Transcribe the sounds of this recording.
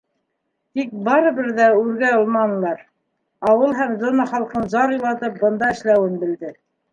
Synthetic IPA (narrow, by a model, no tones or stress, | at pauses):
t̪ik̚bɑɾɤ̆βɘɾðæʉɾɡæŏlˠmɑnɤ̆lˠɑɾ | ɑwɤlˠɦæmzŏnɑχɑlˠqɤnzɑɾulˠɑt̪ɤp̚bɤ̆nd̪ɑɘ̆ʃlæwɘnbɘ̆ld̪ɘ